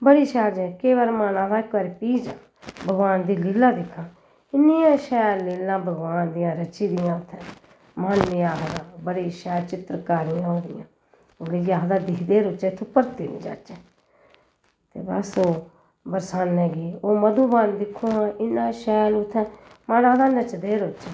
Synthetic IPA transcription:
bəɽiːʃɛːld͡ʒɛ̃ːkeːʋəɾmaːnãːd̪aːkəɾpiːd͡ʒã̰ː | bəɡʋaːnd̪iːliːlaːd̪ɪkʰːãː | ɪnːɪjãːʃɛːlːeːlːãːbəɡʋaːnd̪ɪjãːɾət͡ʃiːd̪ɪjãːʊt̪ʰːɛ̃ː | manːɪaːɦd̪ãːbəɽiːʃɛːlt͡ʃɪt̪ɾkaːɾɪjãːɦõːd̪ɪjã̰ː | led͡ʒaːɦd̪ãːd̪ɪkʰd̪eːɾʊt͡ʃɛːt̪ʰupəɾt̪iːnḭ̃ːd͡ʒa̰ːt͡ʃɛː | t̪ḛːbəsoː | bəɾsaːnɛ̃ːɡiːoːməd̪ũːbaːnd̪ɪkʰːoːɦãːɪnãːʃɛːlʊt̪ʰːɛ̃ː | maːnãːd̪aːnət͡ʃd̪eːɾʊːt͡ʃɛː

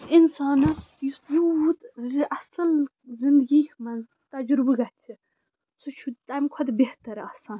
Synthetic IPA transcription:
insaːnɐsjud̪ʔɐsɐl | zind̪ɡiːhmɐnz | t̪ɐd͡ʒɾubɨɡɐt̪ʲʰi | sut͡ʃʰut̪amkʰɐd̪beht̪ɐɾaːsaːn

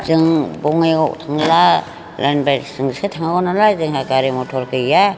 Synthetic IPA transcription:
zɯŋbɔŋeɡɔʔtʰaŋla | lanbaɾsɯŋsɯtʰaŋaɡɔnalazɯŋhakaɾimɔtʰɔɾkʰɯja

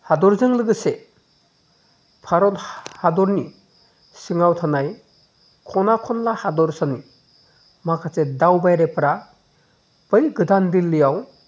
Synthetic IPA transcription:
hadɔɾzɯŋlɯɡɯse | pʰaɾɔthadɔɾni | siŋawtʰanaj | kʰɔnakʰɔnlahadɔɾsani | makʰatedawbajɾepʰɾa | pɯjɡɯdandilːɯjaw

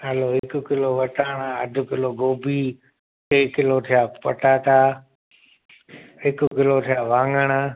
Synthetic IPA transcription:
ɦɐloːɦɪkʊ̆kɪloʋɐʈaːɽ̃aɐ̰d̪ʱʊ̆kɪloɡoːbiː | keikɪlot̪ʰijaːpɐʈaːt̪ʰaː | ɦɪkʊkɪlot̪ʰijaːʋãːŋɡəɽ̃

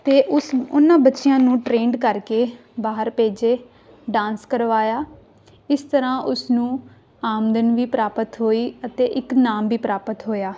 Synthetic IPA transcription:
t̪eːʔʊsʊnãːbətːʃɪjãːnũːʈɾeːɳɖkəɾkeː | baːɦəɾpeːd͡ʒeː | ɖãːnskəɾʋaːjaː | ɪst̪əɾãːʔʊsnũː | aːmd̪ənʋiːpɾaːpət̪ɦoːiːət̪eːʔɪknaːmʋiːpɾaːpət̪ɦoːjaː

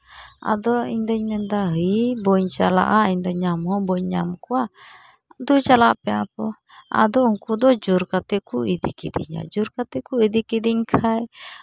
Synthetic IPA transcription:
a̰d̪ɔḭɲd̪əɲmɛnd̪aɦəbɔɲt͡ʃala̰ʔaiɲd̪ɔɲamɔbɔɲːamkua | d̪ut͡ʃalaʔpɛapɔ | a̰d̪ɔuŋkud̪ɔd͡ʒuɾkat̪ɛkuid̪ḭkid̪iɲa̰d͡ʒuɾkat̪ɛkuid̪ikid̪iɲkʰaj

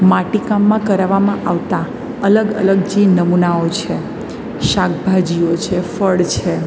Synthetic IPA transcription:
maʈikamːãkəɾaʋamãʔaʋt̪a | ələɡə̰ləɡd͡ʒinəmunaot͡ʃʰe | ʃak̚bʱad͡ʒiot͡ʃʰefəɽt͡ʃʰe

